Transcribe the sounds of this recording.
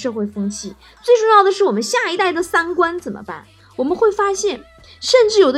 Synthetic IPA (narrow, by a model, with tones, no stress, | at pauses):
ʂɤ˥˧xwe˥˩ɪfɤ˥ŋt͡ɕʰi˥˩ | t͡swe˥˧ɪʈ͡ʂʊ˥˧ŋjɑ˥˩ʊd̪ə˩ʂɻ̩˥˩wɔ˨˩mə˦nɕja˥˩i˧˥t̪a˥˩ɪd̪ə˩sa˥nkwa˥nt͡sə˨˩nmʔə̰˦pa̰˥˩n | wɔ˨˩mə˦nxwe˥˩ɪfa˥ɕjɛ˥˩n | ʂə˥˧nʈ͡ʂɻ̩˥˩jo˨˩ʊd̪